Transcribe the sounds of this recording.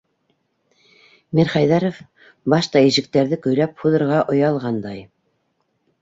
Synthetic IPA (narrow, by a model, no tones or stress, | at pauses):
miɾχɑjðæɾof | bɑʃt̪ɑiʃɘ̆k̚t̪æɾðɘkɵ̆jlæp̚huðɤ̆ɾʁɑʔŏjɑlˠʁɑnd̪ɑj